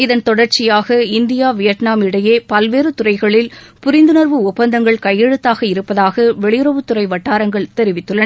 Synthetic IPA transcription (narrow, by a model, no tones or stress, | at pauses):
ɪðɐnt̪ɔɽɐɾt͡ʃɪjaːɣɐɪnd̪ɪjaːʋɪjɐʈnaːmɪɽɐjeːpɐlʋeːɾɯt̪ʊrɐɪɣɐɭɪlpʊɾɪnd̪ɯnɐɾʋɯʊpːɐnd̪ɐŋɡɐɭkɐjːɛɻɯt̪ːaːɣɐɪɾɯpːɐðaːɣɐʋɛɭɪjɯɾɐʋɯt̪ːɯɾɐɪʋɐʈːaːɾɐŋɡɐɭt̪ɛɾɪʋɪt̪ːɯɭːɐ